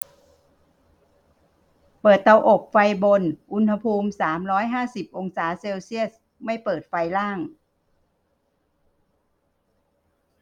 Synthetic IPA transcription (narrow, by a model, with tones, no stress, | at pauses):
pɤː˨˩t̪ːa˧wʔo˨˩p̚fa˧jbo˧nʔu˧nha˧pʰuː˧msaː˩˦mɾɔː˦˥jɦaː˥˩si˨˩p̚ʔo˧ŋsaː˩˦se˧wsi˥˩əs̚ | ma˥˩jpɤː˨˩t̪̚fa˧jlaː˥˩ŋ